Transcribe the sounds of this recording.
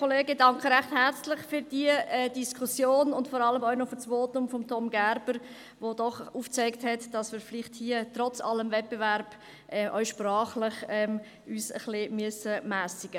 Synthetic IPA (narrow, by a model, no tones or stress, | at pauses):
kʰoleːɡədɑŋkχəɾæχthæɾt͡slɪχfyɾd̥iəɛd̥iskʰusjoːnʊntfɔɾɑləmœʏnofʏsʋoːtʊmfɔmtʰɔmɡæɾb̥əɾ | vodɔχuːft͡sɛɪkthɛtd̥ɑsmɪːɾfliχthiːətɾɔt͡sɑ̰ləmvɛt̚b̥evæɾb̥ | ʔɛʔœ̰ʏʃprɑːχlɪχɛm | yːsə̰χlimyəsəmæːsiɡ̥ə